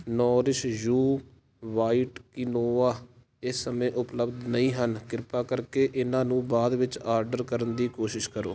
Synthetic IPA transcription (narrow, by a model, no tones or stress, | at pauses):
nɔːɾɪʃjuː | ʋaːiːʈkɪnoːaː | ɪsːəmẽːʔʊpləbd̪nəĩːɦənkɪɾpaːkəɾkeːʔɪnãːnũːbaːd̪ʋɪt͡ʃaːɾɖəɾkəɾənd̪iːkoːʃɪʃkəɾoː